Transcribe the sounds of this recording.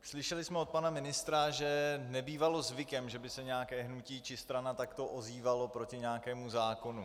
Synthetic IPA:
slɪʃɛlɪsmɛot̪̚panamɪnɪst̪ɾaʒɛnɛbiːvalo̞zvɪkɛmʒɛbɪsɛɲɛakɛːɦnuciːt͡ʃɪst̪ɾanat̪akt̪o̞ʔoziːvalo̞pɾo̞cɪɲɛakɛːmuzaːko̞nu

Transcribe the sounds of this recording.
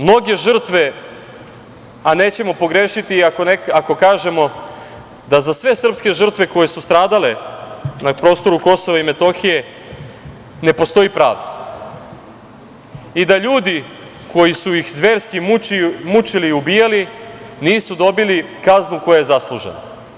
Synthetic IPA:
mno̞ɡe̞ʒr̩t̪ʋe̞ | aneːt͡ɕe̞mo̞po̞ɡɾe̞ːʃit̪iakonekako̞kaːʒe̞mo̞ | d̪azasʋe̞sr̩pske̞ʒr̩t̪ʋe̞ko̞je̞sust̪ɾaːd̪ale̞napɾo̞ːst̪o̞ɾuko̞soʋaime̞t̪o̞xije̞ | ne̞po̞st̪o̞jipɾa̰ːʋd̪ḁ | id̪aʎuːd̪i | kʰo̞jisujixzʋe̞ːɾskimimut͡ʃiliubijali | niːsud̪o̞bilikaznuko̞jaje̞zaslˠuʒḛna

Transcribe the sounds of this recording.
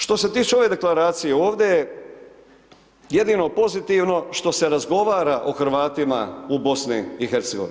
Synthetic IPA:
ʃt̪o̞se̞t̪iːt͡ʃeo̞ʋe̞d̪e̞klaɾaːt̪sije̞o̞ːʋd̪jeje | je̞d̪ino̞po̞zit̪iʋno̞ʃt̪o̞se̞ɾazɡo̞ʋaːɾaʔoxɾ̩ʋaːt̪ima̰ubo̞sniixeɾt̪seɡo̞̰ʋḭn

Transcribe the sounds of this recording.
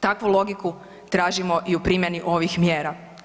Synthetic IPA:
t̪akʋulˠo̞ɡiku | t̪ɾaːʒimo̞ʔiupɾimʲjeniʔo̞ʋixmjeːɾa

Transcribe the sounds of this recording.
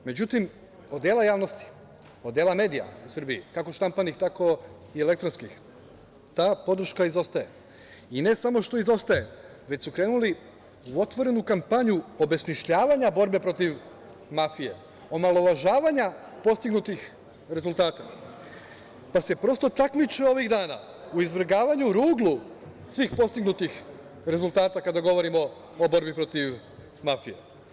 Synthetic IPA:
me̞d͡ʑut̪im | od̪d̪jeːlajaːʋno̞st̪i̥ | od̪jeːlame̞ːd̪ija̰usɾrbiḭkako̞ʃt̪ampanixt̪ako̞ | iele̞k̚t̪ɾonskix | t̪aːpo̞d̪ɾ̩ʃkaizo̞st̪aje̞ | ine̞samo̞ʃt̪o̞izo̞st̪aje̞ | ʋe̞t͡ɕsukɾe̞ːnuli | uo̞t̪ʋo̞ɾe̞nukampaɲuo̞be̞smiʃʎaːʋaɲabo̞ɾbe̞pɾo̞t̪iʋ | mafije̞ | o̞malˠo̞ʋaʒaːʋaɲa | po̞st̪iɡnut̪ix | ɾe̞zulˠt̪aːt̪a | pase̞pɾo̞st̪o̞t̪akmit͡ʃeo̞ʋiɣd̪aːna̰ | uizʋɾ̩ɡaːʋaɲuɾuːɡlu | sʋiːxpo̞st̪iɡnut̪ix | ɾe̞zulˠt̪aːt̪akad̪aɡo̞ʋo̞ɾimo̞ː | bo̞ɾbipɾo̞t̪iʋ | mafije̞̰

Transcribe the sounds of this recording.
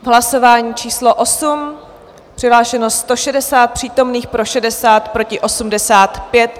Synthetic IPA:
vɦlaso̞vaːɲiːt͡ʃiːslo̞ʔo̞sum | pr̥ɪɦlaːʃɛnosst̪o̞ʃɛdɛsaːt̪̚pr̝̥iːt̪o̞mniːxpɾo̞ʃɛdɛsaːt̪pɾo̞cɪʔo̞sumdɛsaːt̪pjɛt̪

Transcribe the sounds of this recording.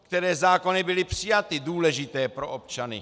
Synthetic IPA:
kt̪ɛɾɛːzaːko̞nɪbɪlɪpr̥ɪjat̪ɪduːlɛʒɪt̪ɛːpɾo̞ʔop̚t͡ʃanɪ̰

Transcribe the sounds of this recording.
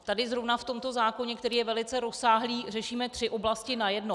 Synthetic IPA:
t̪adɪzɾovnaft̪o̞mt̪o̞zaːko̞ɲɛkt̪ɛɾiːjɛvɛlɪt͡sɛɾosaːɦliːrɛʃiːmɛt̪r̝̥ɪʔo̞blascɪnajɛdno

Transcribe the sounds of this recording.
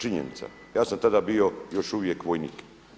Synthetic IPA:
t͡ʃiɲḛnḭt̪sa̰ | jaːsamt̪ad̪abio̞jo̞ʃuʋje̞kʋojnḭːk

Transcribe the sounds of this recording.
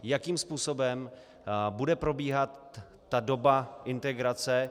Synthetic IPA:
jakiːmspuːso̞bɛm | budɛpɾo̞biːɦat̪ː | ado̞baʔɪnt̪ɛɡɾat͡sɛ

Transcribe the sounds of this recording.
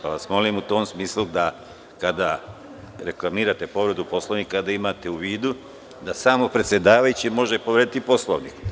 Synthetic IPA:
paʋasmo̞limut̪o̞ːmsmiːslud̪a | kad̪a | ɾe̞klamiːɾat̪e̞po̞ʋɾe̞d̪upo̞slˠoʋnikad̪aimaːt̪euʋiːd̪u | d̪asaːmo̞pɾe̞t̪sʲje̞d̪aːʋajut͡ɕimo̞ʒepoʋɾeːd̪it̪ipo̞slo̰ʋnḭːk

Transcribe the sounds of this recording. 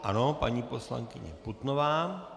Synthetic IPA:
ʔanopaɲiːpo̞sla̰ŋkɪɲɛ̰put̪novaː

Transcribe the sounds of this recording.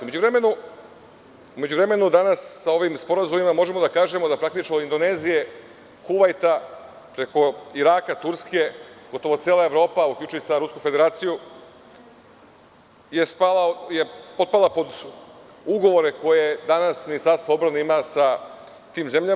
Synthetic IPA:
umed͡ʑuʋɾe̞me̞nu | ume̞d͡ʑuʋɾeme̞nud̪anasːao̞ʋiːmspo̞ɾazumimamo̞ʒe̞mo̞d̪akaːʒe̞mod̪apɾakt̪it͡ʃoind̪o̞ne̞zije̞ | kuʋajt̪a | pɾe̞ko̞iɾaːkat̪uɾske̞ɡ̥o̞t̪o̞ʋo̞t̪sjeːlˠae̞ʋɾo̞ːpaukʎʲuːt͡ʃujusaɾuskufe̞d̪e̞ɾaːt̪siju | je̞spalajepo̞t̪̚palˠapo̞d̪ | uɡo̞ʋo̞ɾe̞ko̞jed̪anasminist̪aɾst̪voo̞bɾaneimasa | t̪iːmze̞mʎa

